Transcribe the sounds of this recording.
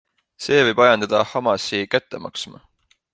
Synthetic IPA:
se̞ːvɤjb̥ɑjɑnd̪̥ɑd̪̥ɑhɑmɑsikæt̪ːˑe̞mɑ̰ksmɑ̰

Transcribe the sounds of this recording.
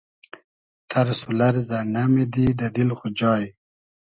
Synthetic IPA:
t̪ʰaɾsulaɾzanamed̪id̪ad̪ilχud͡ʑɑːj

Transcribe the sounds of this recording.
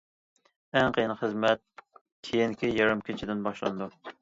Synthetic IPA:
ɛŋqʰəjnχəzmɛt̪̚ | kʲʰejiŋkʲʰijɑɾɨmkʲʰɪt͡ʃʰɪd̪ɪnbɑʃlˠɑ̰nɨd̪u

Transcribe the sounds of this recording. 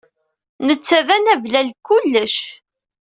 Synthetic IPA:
nət͡sːæðænævlælkʊlːəʃ

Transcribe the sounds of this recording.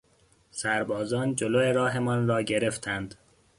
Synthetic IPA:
sæɾbɒːzɒːnd͡ʒoloeɾɒːɦe̞mɒːnrɒːɟeɾe̞ft̪ʰænd̪̥

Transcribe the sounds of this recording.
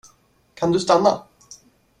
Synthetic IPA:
kʰand̪ɵst̪anːa̰

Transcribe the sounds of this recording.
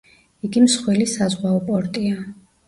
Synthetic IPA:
iɡimsχwɛlisazʁwaɔpʼɔɾt̪ʼia

